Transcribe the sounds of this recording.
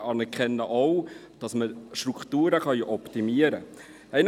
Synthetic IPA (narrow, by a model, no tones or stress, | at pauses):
ɑnɛɾkχɛnːəʔɔw | d̥ɑsməʃtɾukχtuːɾəχɑjʔɔptimiəɾə | ɛn